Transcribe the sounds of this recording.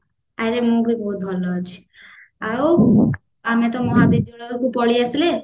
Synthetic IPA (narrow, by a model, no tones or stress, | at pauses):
aɾemũbʱibɔɦut̪̚bʱɔlɔt͡ʃʰi̥ | aw | amẽt̪ɔmɔɦabid̪uɭɔukupɔɭiasle